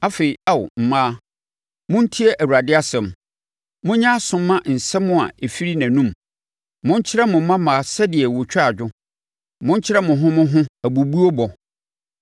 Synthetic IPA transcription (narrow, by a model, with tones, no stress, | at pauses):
a˦fe˨i˨a˦wʊ̰˨m̩˨mãː˦ | mʊ̃˦n̩˦tʰi˦ɛ˦ʔæ˨wu˨ɾa˨dɪ˦a˦sɛ̃˨m | mʊ̃˦ɲã˦sʊ̃˨mː˦ã˦n̩˨sɛ˦mʊ̃˦a̰˨e˨fi˦ɾi˦nã˨nũ˦m | mʊ̃˦ɲ̩˦t͡ɕʰɪ˦ɾɛ˦mʊ̃˨m̩˦mã˦mãː˨sɛ˦dɪ˨ɛ˨wo˨t͡ɕᶣa˨d͡ʑᶣʊ˦ | mʊ̃˦ɲ̩˦t͡ɕʰɪ˦ɾɛ˦mʊ̃˨ɦʊ̃˦mʊ̃˦ɦʊ̃˦æ˨bu˨bu˦o˦bɔ˨